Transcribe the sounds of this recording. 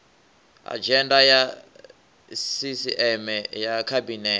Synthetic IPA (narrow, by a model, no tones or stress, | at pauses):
a̰d͡ʒɛndaja | sisiʔɛmɛjakʰabinɛ